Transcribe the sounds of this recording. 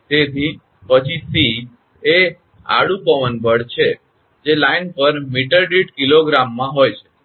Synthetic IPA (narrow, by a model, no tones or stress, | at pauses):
t̪et̪ʰi | pət͡ʃʰisi | e | a̰ɽũpəʋənbʱəɽt͡ʃʰe | d͡ʒelainpəɾmiʈəɾɖiʈkiloɡɾamːãɦojt͡ʃʰe̥